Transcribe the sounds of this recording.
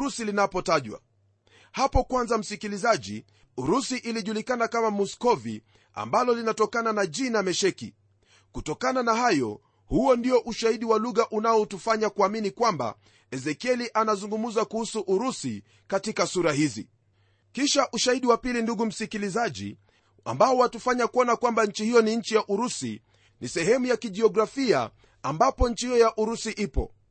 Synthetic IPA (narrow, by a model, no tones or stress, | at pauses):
ɾusilinapɔtaʄwa̰ | hapɔkwanzam̩sikilizaʄḭ | uɾusiʔiliʄulikanakamamɔskɔvḭ | a̰mbalɔlinatɔkananaʄinamɛʃɛkḭ | kutɔkananahajɔ̰ | huɔndiɔʔuʃahiɗiwaluɣaʔunaɔtufaɲakuaminikwamba̰ | ɛzɛkiɛliʔanazuŋɡumuzakuhusuʔuɾusi | katikasuɾaɦizḭ | kiʃaʔuʃahiɗiwapilinduɠum̩sikilizaʄḭ | a̰mbaɔwatufaɲakuɔnakwambaɲ̩t͡ʃihijɔniɲ̩t͡ʃijaʔuɾusḭ | nisɛɦɛmujakiʄiɔɡɾafia̰ | ambapɔɲ̩t͡ʃihijɔjaʔuɾusiʔipɔ̰